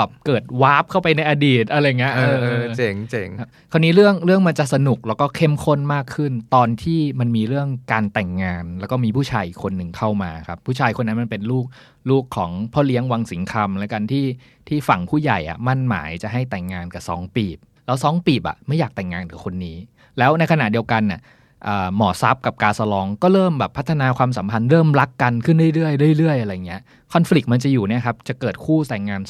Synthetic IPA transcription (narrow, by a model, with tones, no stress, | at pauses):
ɛː˨˩p̚kɤː˨˩t̪̚waː˦˥p̚kʰa˥˩wpa˧jna˧jʔa˧diː˨˩t̪̚ʔa˧ɾa˧ja˨˩ŋːi˦˥ʔɤː˧t͡ɕe˨˩ŋt͡ɕe˨˩ŋ˦˥ | kʰa˧nːiː˦˥ɾɯ˥˩əŋɾɯ˥˩əŋma˧nt͡ɕa˨˩sa˧nu˨˩k̚lɛː˦˥wkɔː˥˩kʰe˥˩mkʰo˥˩nmaː˥˩kʰɯ˥˩nt̪ɔː˧nt̪ʰiː˥˩ma˧nmiː˧ɾɯ˥˩əŋkaː˧nt̪ɛ˨˩ŋːaː˧nlɛː˦˥wkɔː˥˩miː˧pʰuː˥˩t͡ɕʰaː˧jkʰo˧nːɯ˨˩ŋkʰa˥˩wmaː˧kʰa˦˥pʰːuː˥˩t͡ɕʰaː˧jkʰo˧nːa˦˥nma˧npe˧nluː˥˩k̚ | luː˥˩kʰːɔː˩˦ŋpʰɔ˦˥˩li˦˥əŋwa˧ŋsi˩˦ŋkʰa˧mlɛː˦˥ka˧nt̪ʰiː˥˩ | t̪ʰiː˥˩fa˨˩ŋpʰuː˥˩ja˨˩jʔa̰˨˩ma˥˩nma̰ː˩˦jt͡ɕa˨˩ɦa˥˩jt̪ɛ˨˩ŋːaː˧nka˨˩sɔ̰ː˩˦ŋpiː˨˩p̚lɛː˦˥wsɔː˨˩˦ŋpiː˨˩p̚ʔa̰˨˩ma˥˩jːaː˨˩k̚t̪ɛ˨˩ŋːaː˧nka˨˩kʰo˧nːiː˦˥ | lɛː˦˥wna˧jkʰa˧na˨˩di˧əwka˧na˨˩ | ʔɤː˨˩mɔː˨˩˦sa˦˥p̚ka˨˩p̚kaː˧sa˧lɔː˧ŋkɔː˥˩ɾɤː˥˩mbɛː˨˩pʰːa˦˥t̪ʰːa˧naː˧kʰwaː˧ms̬a˩˦mpʰa˧nɾɤː˥˩mɾa˦˥kːa˧nkʰɯ˥˩ndu˥˩jɾɯ˥˩əjdɯ˥˩ə˨jɾɯ˥˩əjʔa˧ɾa˧jŋːi˦˥ɐ | kʰɔ˧nfli˨˩k̚ma˧nt͡ɕa˨˩juː˨˩ni˥˩ɐkʰa˦˥p̚t͡ɕa˨˩kɤː˨˩t̪̚kʰuː˥˩sa˨˩ŋŋaː˧n